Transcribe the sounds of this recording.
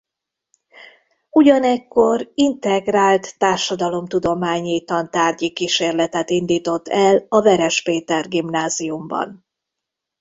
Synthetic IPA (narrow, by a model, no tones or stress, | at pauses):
uɟɒnɛkːo̞rint̪ɛɡraːlt̪ːaːrʃɒd̪ɒlo̞mt̪ud̪o̞maːɲiːt̪ɒnt̪aːrɟikiʃeːrlɛt̪ɛt̪ind̪iːt̪o̞t̪ːɛlɒvɛɾɛʃpeːt̪ɛrɡimnaːzijumbɒ̰n